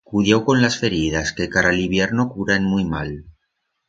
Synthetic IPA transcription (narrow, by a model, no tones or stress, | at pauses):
kuðjewko̞nlasfe̞ɾið̞askekaɾaliβjeɾnokuɾanmujmal